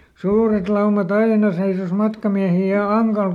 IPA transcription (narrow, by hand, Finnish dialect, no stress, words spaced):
suːret lɑumɑt ɑinɑ seisos mɑtkɑmiæhi jɑ ɑŋkɑl